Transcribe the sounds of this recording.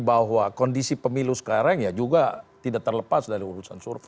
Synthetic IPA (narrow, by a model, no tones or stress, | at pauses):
baɦwakɔndisipəmilusə̥kaɾaŋjad͡ʒuɡat̪idak̚t̪ərləpasdaɾiuɾusansurf